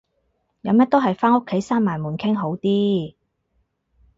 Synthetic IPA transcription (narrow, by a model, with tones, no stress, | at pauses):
jɐ˨˧mjɐ˥t̪o˥wɦɐ˨jfaː˥ŋʊ˥kʰːe˨˥jsaː˥nmaː˨˩nmuː˨˩nkʰɪ˥ŋɦo˨˥wt̪iː˥